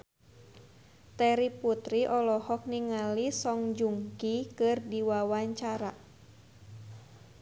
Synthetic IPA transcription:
t̪ɛɾiput̪ɾiʔɔlɔhɔk̚niŋalisɔŋd͡ʒuŋkikɨrdiwawaɲt͡ʃaɾa

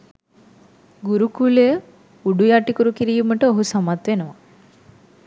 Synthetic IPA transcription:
ɡuɾukuːle | uɖujaːʈikuɾukiɾijumɐʈəoɦusɐmat̪ʋenɐʋa

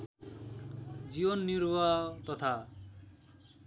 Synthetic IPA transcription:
d͡zibʌnːiɾwat̪ʌt̪ʰa

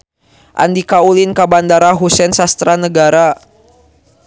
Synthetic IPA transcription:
ʔa̰ndikaulinkabandaɾaɦusɛnsast̪ɾanəɡaɾa

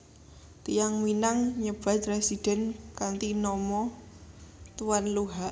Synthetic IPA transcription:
t̪ijaŋminaŋɲəb̥ä̤t̪̚ɾesid̥ɛ̤nkant̪inɔmɔ | t̪uwanluɦaʔ

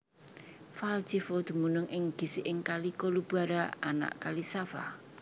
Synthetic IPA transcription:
fald͡ʒifod̪̥i̤munʊŋʔɪŋɡ̥i̤sɪʔɪŋkalikolub̥aɾaa̰na̰ʔkalisafa̰

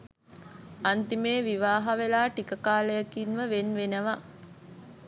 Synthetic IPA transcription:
ant̪imeːʋiʋaːɦaʋelaːʈikəkaːləjakinʋəʋenʋenəʋa

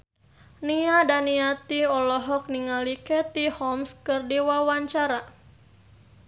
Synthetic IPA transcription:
niadaniat̪iɔlɔɦɔk̚niŋalikɛt̪ihɔmskɨrdiwawaɲt͡ʃaɾa

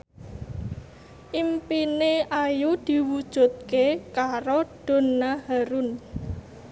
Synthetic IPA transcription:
ʔimpineʔajud̪̥i̤wud̥ʒ̥ṳt̪̚kekaɾoɖ̥o̤nahaɾun

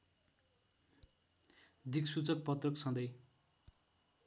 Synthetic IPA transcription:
d̪ʱiksut͡sʌk̚pʌt̪rʌksʌ̃nd̪ʌj

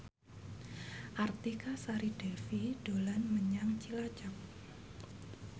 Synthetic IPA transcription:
ʔart̪ikasaɾiɖ̥ɛfiɖ̥olanməɲaŋt͡ʃilḁd͡ʒak̚

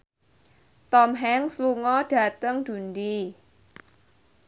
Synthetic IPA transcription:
t̪ɔmɦɛŋsluŋɔɖ̥ä̤t̪əŋd̪̥ṳnd̪i

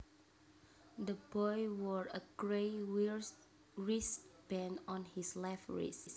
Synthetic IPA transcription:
d̪əbɔjwɔɹəɡɹeɪwiɹ | ɹisb̥ɛ̃nɔ̃nhislɛfɹḭs

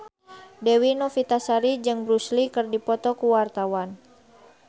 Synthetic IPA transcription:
dɛwinɔfit̪asaɾid͡ʒɨŋbɾuslikɨrdipɔt̪ɔkuwart̪awan

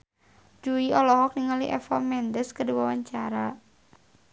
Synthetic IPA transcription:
d͡ʒuiɔlɔɦɔk̚niŋaliʔɛ̰fɔmɛndəskədiwawaɲt͡ʃaɾa

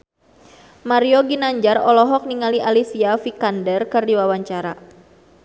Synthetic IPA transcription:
maɾioɡinaɲd͡ʒarɔlɔɦɔk̚niŋaliʔalisiafikandərkərdiwawaɲt͡ʃaɾa̰

